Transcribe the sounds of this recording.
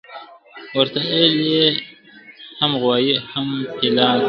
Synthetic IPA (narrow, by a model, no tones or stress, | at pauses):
wəɾt̪aele | hamɣwɑːjihamhilɑː